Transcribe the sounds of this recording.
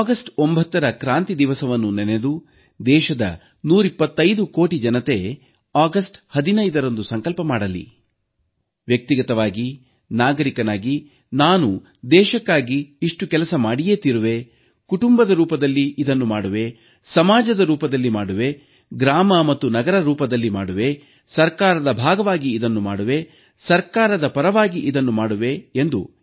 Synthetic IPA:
ɡɐsʈombʱɐt̪ːɐɾɐkɾaːnt̪id̪iʋɐsɐʋɐnːunene̞d̪u | d̪ɛːʃɐd̪ɐ̰ | nuːɾipːɐt̪ːɐjd̪uko̞ːʈid͡ʒɐnɐt̪e̞ | aːɡɐsʈhɐd̪inɐjd̪ɐɾond̪usɐŋkɐlpɐmaːɽɐlːḭ | ʋjɐk̚t̪iɡɐt̪ɐʋaːɡi | naːɡɐɾikɐnaːɡi | naːnu | d̪ɛːʃɐkːaːɡiːʂʈukɛlɐsɐmaːɽijeːt̪iɾuʋe̞ | kuʈumbɐd̪ɐɾuːpɐd̪ɐlːiʔid̪ɐnːumaːɽuʋe̞ | sɐmaːd͡ʒɐd̪ɐɾuːpɐd̪ɐlːimaːɽuʋe̞ | ɡɾaːmɐmɐt̪ːunɐɡɐɾɐɾuːpɐd̪ɐlːimaːɽuʋe̞ | sɐɾkaːɾɐd̪ɐbʱaːɡɐʋaːɡiːd̪ɐnːumaːɽuʋe̞ | sɐɾkaːɾɐd̪ɐpɐɾɐʋaːɡiʔid̪ɐnːumaːɽuʋe̞ːnd̪u

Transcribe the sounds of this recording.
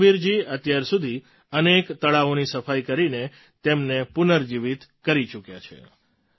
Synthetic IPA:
ʋiɾd͡ʒiət̪jaɾsud̪ʱi | ənekt̪əɭaonisəfajkəɾine | t̪emnepunəɾd͡ʒiʋit̪kəɾit͡ʃukja̰t͡ʃʰḛ

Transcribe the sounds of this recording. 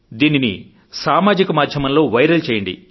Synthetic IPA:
d̪iːninḭ | saːmaːd͡ʒikɐmaːd̪ʱjɐmɐnlo̞ːʋɐjɾɐlt͡ʃeːjɐɳɖḭ

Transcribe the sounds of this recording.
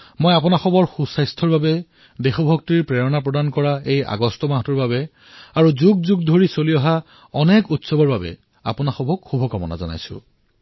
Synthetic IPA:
mojapʊnaxɔbɔɹxusajstʰɔɹbabɛ | dexɔbʱɔk̚tiɹpɹɛɹɔnapɹɔdankɔɹaeja̰ɡɔstɔmaɦɔtuɹbabɛ | aɹuzuɡ̚zuɡ̚dʱoɹisoliɔɦa | ɔnɛkutsɔbɔɹbabɛ̰ | a̰pʊnaxɔbʱɔkxubʱɔkɔmɔna̰zɔ̰na̰jsʊ̰̃

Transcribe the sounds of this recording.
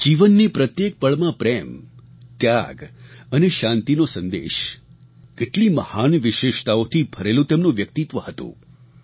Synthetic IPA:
d͡ʒiʋənːipɾət̪jek̚pəɭmãpɾem | t̪jaɡəneʃãnt̪inosə̃nd̪ḛʃ | keʈlimə̰hanʋɪʃeʃt̪aot̪ʰibʱəɾelũt̪emnũʋjək̚t̪it̪ʋəhət̪ṵ̃

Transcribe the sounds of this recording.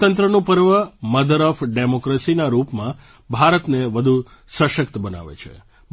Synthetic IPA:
t̪ənt̪ɾənũpəɾʋəməd̪əɾəfɖemokɾesinaɾupmã | bʱaɾət̪neʋəd̪ʱu | sə̃ʃəkt̪bəna̰ʋḛt͡ʃʰḛ

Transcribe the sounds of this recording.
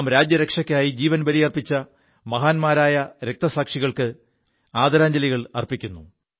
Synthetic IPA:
mɾaːd͡ʑjɐɾekʂɐkʲːaːjid͡ʑiːʋɐnbɐlijɐrpit͡ɕːɐ | mɐɦaːnmaːɾaːjɐɾe̞k̚t̪ɐsaːkʂiɣɐɭkɨ | aːd̪ɐɾaːɲd͡ʑɐliɣɐɭɐ̰rpikʲːunːu

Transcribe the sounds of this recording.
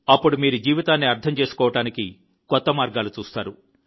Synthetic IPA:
ɐpːuɽumiːɾud͡ʒiːʋit̪aːnːiɐɾt̪ʰɐmt͡ʃe̞ːsu̥kɔːʋɐʈaːniki | kɔt̪ːɐmaːɾɡaːlut͡ʃuːst̪aːɾu

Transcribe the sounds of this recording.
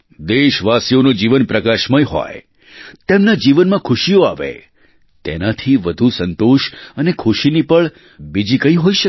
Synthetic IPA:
d̪eʃʋasjonod͡ʒiʋənpɾəkaʃməjɦɔ̰j | t̪emnad͡ʒiʋənmãkʰʊʃijoaʋḛ | t̪enat̪ʰiʋəd̪ʱusənt̪oʃənekʰʊʃinipəɭ | bid͡ʒikəiɦoiʃə

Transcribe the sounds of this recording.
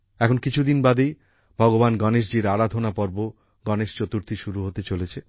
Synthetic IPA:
ɛkʰonkit͡ɕʰud̪inbad̪ej | bʱɔɡobanɡɔneʃ̬d͡ʑiɾaɾad̪ʱonapɔɾbo | ɡɔneʃt͡ɕot̪uɾt̪ʰiʃuɾuɦot̪et͡ɕolet͡ɕʰe

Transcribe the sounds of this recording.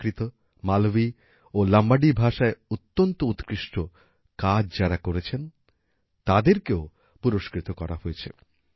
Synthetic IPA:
ɾit̪o | malbi | olambaɖibʱaʃaeut̪ːont̪out̪kɾiʃʈo | kad͡ʑd͡ʑaɾakoɾet͡ɕʰen | t̪ad̪eɾkeo | puɾoʃkɾit̪okɔɾa̰ɦoet͡ɕʰḛ

